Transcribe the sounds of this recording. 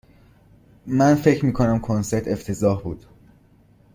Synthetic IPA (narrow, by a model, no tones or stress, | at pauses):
mænfe̞cʰɾmiːkʰo̞næmkʰonse̞ɾt̪ʰe̞ft̪ʰe̞zɒːɦbuːd̪̥